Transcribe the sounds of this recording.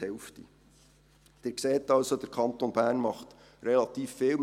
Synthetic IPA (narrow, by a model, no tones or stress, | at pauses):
ɛʊftḭ | d̪̥ɪːɾkseːtɑlsod̥̪əɾkʰɑnt̪onb̥æːɾnmɑχt | ɾɛlɑt̪iːfːɪːlm